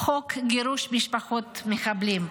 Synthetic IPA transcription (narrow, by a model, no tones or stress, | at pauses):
χokɡiɾuʃmiʃpaχot̪meχablim